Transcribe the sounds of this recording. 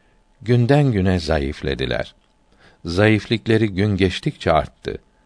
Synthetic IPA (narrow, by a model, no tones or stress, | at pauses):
ɟynd̪ænɟynɛzajiflʲe̞̰d̪ilʲæ̰ɾ̥ | zajiflʲiclʲe̞ɾiɟynɟɛt͡ʃt̪ʰic̚t͡ʃʰɛa̰ɾt̪ʰːɯ̰